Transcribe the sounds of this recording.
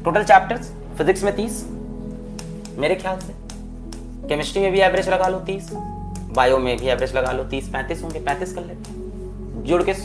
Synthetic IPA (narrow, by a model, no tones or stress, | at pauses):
ʈoːʈəlt͡ʃɛːp̚ʈəɾz | fɪzɪksmẽt̪iːs | meːɾekʰjaːlse | kɛmɪsʈimẽbʱiɛːbɾet͡ʃlɐɡaːlot̪iːs | baːjõmẽbʱiɛːbɾet͡ʃlɐɡaːlot̪iːspɛ̃ːt̪iːsõːɡepɛ̃ːt̪iːskɐllet̪e | d͡ʒʊɽkes